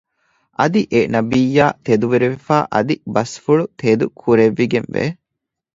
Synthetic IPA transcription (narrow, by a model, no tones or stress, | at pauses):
ʔɐd̪iʔenɐbiːjːaːt̪ed̪uʋeɾeʋefaːʔɐd̪ibɐsfuɭut̪ʰeːd̪ukʰuɾeʋːiɡenʋḛ